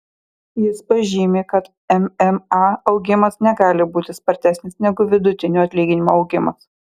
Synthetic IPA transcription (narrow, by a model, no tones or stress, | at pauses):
jɪspɐʒʲiːmʲeːkɐt̪ | ɛmɛmɑɒʊɡʲɪmɐsnʲɛɡɑːlʲɪbuːt̪ʲɪspɐɾʲt̪ʲæːsʲnʲɪsnʲɛɡʊʋʲɪd̪ʊt̪ʲɪnʲuːɐt̪ʲlʲiːɡʲɪnʲɪmoɒʊɡʲɪmɐs